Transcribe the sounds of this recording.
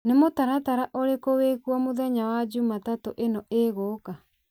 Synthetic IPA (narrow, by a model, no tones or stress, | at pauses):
nemotaɾataɾaʔoɾekowekwɔmoðɛɲawad͡ʒumatatoʔenɔeɣoːka